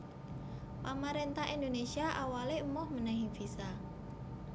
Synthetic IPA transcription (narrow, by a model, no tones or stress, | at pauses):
pamaɾent̪aɦind̪onesiaʔawaleumʊhmənɛɦifisa